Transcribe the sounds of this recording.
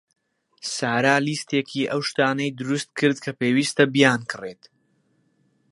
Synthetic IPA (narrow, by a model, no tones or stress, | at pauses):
saːɾaːliːst̪ʰekʰiʔɐwʃt̪aːnɐjd̪ɨɾust̪̚kʰɨɾd̪kʰɐpeːwiːst̪ɐbijaːnkʰɨret̪